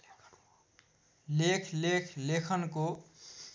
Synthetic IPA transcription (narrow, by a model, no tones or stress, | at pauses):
lekʰlekʰlekʰənko